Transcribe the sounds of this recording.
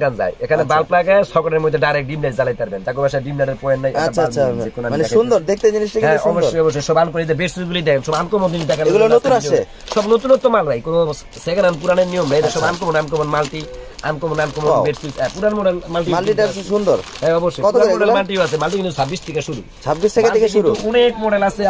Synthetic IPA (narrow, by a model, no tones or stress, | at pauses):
kanza̰jekʰanebalplakasɔkɔʈeɾmod̪ʱːeɖajɾek̚ʈ̚ɖimlajsd͡zalajt̪aɾbend͡ʑ̪akobaʃaɖimlaɖeɾpɔenːajʔaaalekonamɛʃund̪oɾd̪ek̚ʰt̪ed͡ʑiniʃʈakɛ̃ʃboʃɾojɔboʃ̬ːojʃɔbank̬oɾejt̪̬ebeʈsuɡulid̪ɛkʰenʃɔbankɔmond̪inid̪ɛkʰaeɡulonot̪unaʃe | ʃɔbnot̪unɔt̪ːomalbʱajkono | sekananp̬uɾaneɾnijomnajɾaʃɔbank̬ɔmonankɔmonmalʈia̰nkomonankɔmobeɾsuɛpuɾanmɔɖelmalʈ̬imaliʈasʃund̪oɾɦɛ̃ɔboʃːojkɔuɾaɔɖelmalʈioasʰemalʈikinusʰabbist̪ʰikaʃuɾṵ | sʰabbistʰekakek̬ɾuunekmɔɖelasʰe